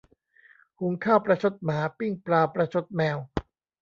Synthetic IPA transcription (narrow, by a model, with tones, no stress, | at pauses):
hu˩˦ŋkʰaː˥˩wpɾa˧t͡ɕʰo˦˥t̪̚maː˩˦pi˥˩ŋpɾaː˧pɾa˧t͡ɕʰo˦˥t̪̚mɛː˧w